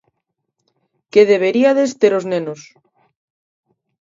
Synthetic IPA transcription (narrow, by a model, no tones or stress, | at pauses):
keðeβ̞eɾiaðest̪eɾoznenos